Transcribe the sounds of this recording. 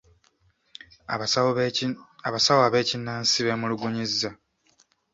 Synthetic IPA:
aβasawoaβe̞ːcinːaːnsiβemuluɡuɲizːa

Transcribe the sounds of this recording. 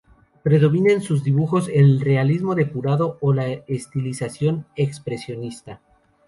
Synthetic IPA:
pɾe̞ðo̞βinensuzðiβuxo̞senlre̞alizmo̞ðe̞puɾaðo̞ːlaest̪ilisasjo̞ne̞kspɾe̞sjo̞nist̪a

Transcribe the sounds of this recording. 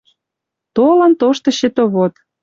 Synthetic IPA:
t̪olə̆nt̪oʃt̪ɤ̆ɕĕt̪oβot̪

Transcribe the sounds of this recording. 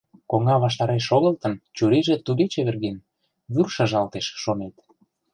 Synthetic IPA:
koŋɑβɑʃ̬t̪ɑɾeʃ̬oɣəlt̪ənt͡ɕuɾiʒĕt̪ud̪et͡ɕeβĕrɣen | βyrʃɑʒɑlt̪eʃʃonet̪

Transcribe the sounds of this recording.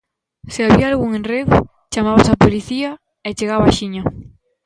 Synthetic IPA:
seaβiaalɣuŋẽnreɣ | t͡ʃamaβasapoliθia | et͡ʃeɣaβaaʃiɲa

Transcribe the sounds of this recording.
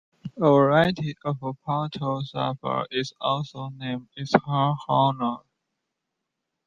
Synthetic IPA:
əvəɹaɪtʰiʔəvəpʰatʰosa̰pə̰˞ɪzɔlsoʊnẽɪ̃mdɪzhəhɔnə

